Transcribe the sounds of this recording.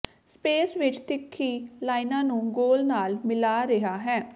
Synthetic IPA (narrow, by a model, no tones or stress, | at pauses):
speːsʋɪt͡ʃt̪ɪkʰːiːlaːɪnãːnũːɡoːlnaːlmɪlaːɾɪɦaːɦɛː